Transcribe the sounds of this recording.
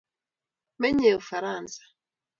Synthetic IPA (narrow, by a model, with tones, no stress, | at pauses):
mɛ˦ɲɛ˨o˨fa˨ɾa˦˨nsḁ˨